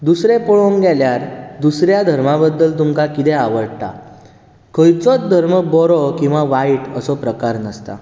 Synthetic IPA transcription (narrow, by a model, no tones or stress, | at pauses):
d̪usɾepɔɭoŋɡaljaɾd̪usɾjad̪ʱəɾmabəd̪ːəlt̪umkakit̪ɛaʋəɽt̪a̰ | kʰəjt͡sɔt͡sd̪ʱəɾməbɔɾɔkĩw̃ʋaʋaiʈəsɔpɾəkaɾnəst̪a̰